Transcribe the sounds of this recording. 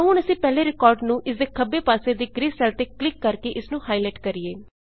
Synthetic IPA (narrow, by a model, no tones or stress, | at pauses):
əɦʊ̃ːnəsĩːpɛːleːɾɪkɔːɾɖnũːʔɪsd̪eːkʰəbːeːpaːseːd̪iːɡɾiːzsɛlt̪eːklɪkːəɾkeʔɪsnũːhaːilɛːʈkəɾieː